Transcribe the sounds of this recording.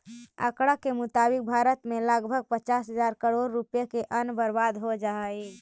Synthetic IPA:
ə̰kɽakemʊt̪aːbɪk̚bʱaːɾət̪mẽləɡbʱəɡ̚pət͡ʃaːsɦəzaːɾkəɽoːɾːupjekeʔənbəɾbaːd̪ɦod͡ʒaːe

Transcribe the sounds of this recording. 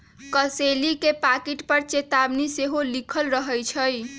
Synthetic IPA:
kəselikepakiʈpəɾt͡ʃet̪abniseɦolikʰəlɾəɦəjt͡ʃʰəj

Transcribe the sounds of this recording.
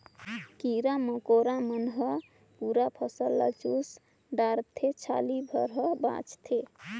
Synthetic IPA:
kiɾaməkoɾamənɦə | puɾapʰəsəlːa̰t͡ʃus | ɖaɾt̪ʰet͡ʃʰa̰libʱə̰ɾɦʌbã̰t͡ʃt̪ʰe

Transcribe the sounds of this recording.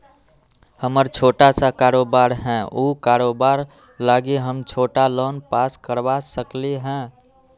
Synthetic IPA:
həməɾt͡ʃʰoʈasakaɾobaɾɦɛ̃ʔukaɾobaɾ | laɡeɦəmt͡ʃʰoːʈalonpaskəɾbasəkleɦɛ̃

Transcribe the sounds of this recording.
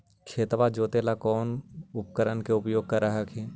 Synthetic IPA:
kʰeːt̪ʋad͡ʒoːt̪elakɔːnʊp̚kəɾənkeʊpjoːɡ̚kəɾːəɦəkʰɦɛː

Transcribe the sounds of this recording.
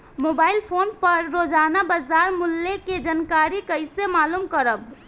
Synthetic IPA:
mobailpʰonpəɾːod͡ʒanabazaɾmulːeked͡ʒənkaɾikəɪsemalumkəɾəb

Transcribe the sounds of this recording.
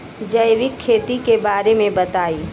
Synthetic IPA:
d͡ʒəjʋɪkʰːeːt̪ikebaːɾemẽbɐt̪aːiː

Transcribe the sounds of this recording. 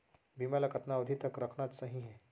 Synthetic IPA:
bimalakət̪naəd̪ʱit̪əkɾəkʰnat̪səɦĩɦɛ̃

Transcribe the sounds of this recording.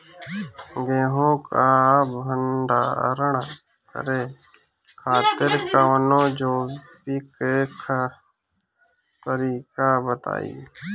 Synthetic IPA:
ɡeːɦõːkaːbʱəɳɖa̰ːɾəɳ | kə̰ɾeː | kʰaːt̪ɪɾkaʋənõːd͡ʒoːpiːkeːkʰa | t̪əɾiːkaːbət̪a̰ːḭː

